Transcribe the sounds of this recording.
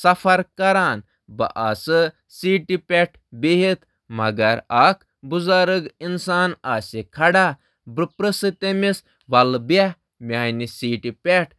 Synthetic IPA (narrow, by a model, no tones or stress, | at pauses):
sɐfʰɐɾkɐɾaːn | bɐ̰ʔasɨ | siːʈipʲeʈʰbeɦit̪ | mɐɡɐɾakʰ | buzaɾɨɡinsaːnaːsekʰɐɽaː | bɾɨpɾɨsɨt̪emis | ʋɐlba | mʲaːjnisiːʈipʲeʈʰ